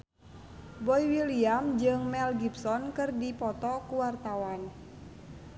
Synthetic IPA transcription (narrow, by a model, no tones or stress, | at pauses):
bɔiwiliamd͡ʒɨŋmɛlɡipsɔnkɨrdipɔt̪ɔkuwart̪awan